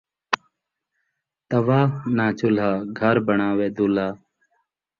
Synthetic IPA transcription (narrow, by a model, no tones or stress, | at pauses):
t̪əʋaːnaːt͡ʃʊlaːɡʱəɾbəɳaːʋeːd̪uːlaː